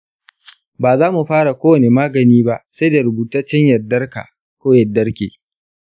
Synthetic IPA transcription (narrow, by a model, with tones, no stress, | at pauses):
baː˨zaː˦mu˨ɸaː˦ɽa˨kʷoː˦wɐ˨ne˨maː˦ɡɐ˨niː˦ba˦ʔsa˦jda˨ɾʊ˨buː˨taː˦t͡ʃɐ˦ɲjɐ˨dːɐ˦rka̰ː˨ | kʷoː˦jɐ˨dːɐ˦rkʲḛː˨